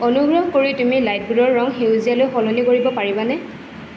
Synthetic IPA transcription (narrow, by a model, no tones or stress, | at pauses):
ɔnuɡɹɔɦkoɹitumilajt̚ɡuɹɔɹːɔŋxewzijalojxɔlɔnikoɹibɔpaɹibanɛ